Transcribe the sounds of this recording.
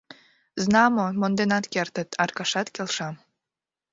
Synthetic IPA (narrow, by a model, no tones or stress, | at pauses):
znɑmomond̪enɑt̪kert̪ət̪ʰɑrkɑʃɑt̪kelʃɑm